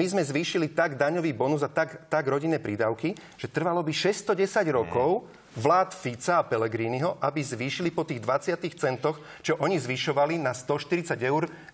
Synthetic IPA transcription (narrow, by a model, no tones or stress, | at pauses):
mizmɛzʋiːʃilit̪aɡd̪aɲɔʋiːbɔnuzat̪aɡt̪aɡɾɔɟinːɛːpɾid̪aʊki | ʒ̥ɛt̪r̩ʋalɔbiʃɛst̪ɔɟɛsaɟɾɔkɔʊ | ʋlaːt̪fit͡saːpɛlɛɡɾiːniɦɔʔabizʋiːʃilipɔt̪iːɣd̪ʋat͡sɪat̪iːxt͡sɛnt̪ɔx | t͡ʃɔʔɔɲizʋiʃɔʋalinast̪ɔʃt̪iɾit͡saɟɛʊɾ